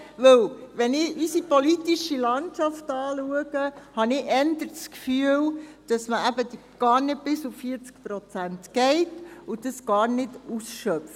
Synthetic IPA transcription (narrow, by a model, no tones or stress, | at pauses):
ʋɵwʋɛnɪʔysipɔlitiʃilɑntʃɑftɑːluəɡəhɑnɪɛndəɾt͡skfyəld̥ɑsməæbəd | ɡ̥ɑːɾnɪd̚bɪsʊffiəɾt͡sk̚pɾot͡sæntɡ̥ɛɪtʊdəsɡ̥ɑːɾnɪdusʃœpf